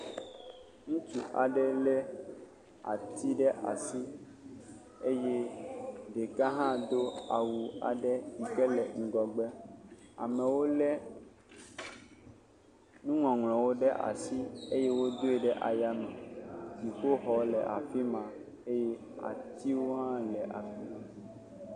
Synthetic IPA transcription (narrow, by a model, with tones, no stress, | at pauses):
ŋũ˦t͡ʃu˨ʔa˨ɖɛ˦lɛ˦ | a̰˨t̪i˦ɖɛ˦ʔa̰˨si˦ | e˦je˦ | ɖe˨ka˦ɦã˦d̪o˦a˨wu˨a̰˨ɖɛ˦i˨kɛ˦lɛ˨ŋ̩˨ɡɔ˨ɡ͡bɛ˦a̰˨mɛ̃˨wo˦lɛ˦ | nũ˦ŋɔ̃˨ŋl̃ɔ̃˨wo˦ɖɛ˦ʔa̰˨si˦e˦je˦wo˦d̪o˦e˨ɖɛ˦ʔa˨ja˦mɛ̃˨si˨xo˦ɦɔ˨lɛ˨ʔa̰˨fi˦mã˨ | e˦jɛ˦ | a̰˨t̪i˦wo˦ɦã˦lɛ˨ʔa̰˨fi˦mã˨